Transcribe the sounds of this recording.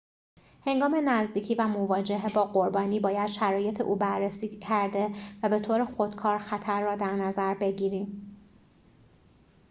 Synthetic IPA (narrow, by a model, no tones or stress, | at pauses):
he̞ŋɡɒːme̞næzd̪iːcʰiːvæmo̞vɒːd͡ʒe̞ɦe̞bɒːɢoɾbɒːniːbɒːjæd̪̥ʃæɾɒːje̞t̪ʰḛʔuːbæɾːesiːcʰæɾd̪e̞væbe̞t̪ʰoːɾexo̞d̪̥kʰɒːɾxæt̪ʰæɾːɒːd̪æɾnæzæɾbe̞ɟiːɾiːm